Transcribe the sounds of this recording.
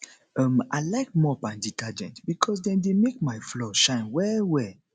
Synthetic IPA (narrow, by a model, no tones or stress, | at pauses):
ɔ̃ma̰ɪlaɪk̚mɔpãnditʰad͡ʒɛ̃ntbikʰɔs̬dɛ̃ndemek̚maɪflɔʃãɪ̃nwɛwɛ